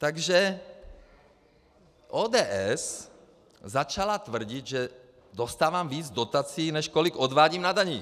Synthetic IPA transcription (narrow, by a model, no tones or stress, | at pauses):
t̪aɡʒɛ | ʔoːd̪ɛːʔɛs | zat͡ʃalat̪vr̩ɟid̪ʒɛ | d̪ost̪aːvaːmviːd͡zd̪ot̪at͡siːnɛʃkoliɡod̪vaːɟiːmnad̪aɲi